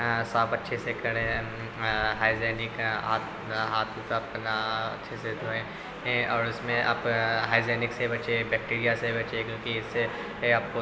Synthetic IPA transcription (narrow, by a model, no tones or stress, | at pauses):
saːbɐtːʃʰesekɐɽẽ | ɦaːɪzɛːnɪkɦaːt̪ | ɦaːt̪ʰkapnaɐ̰tːʃʰesed̪oẽː | ɔːɾɪsmẽʔa̰pɦaːɪzɛːnɪksebɐt͡ʃebɛːk̚ʈiːɾijasebɐt͡ʃekjõːkiɪsːe | aːp̚ko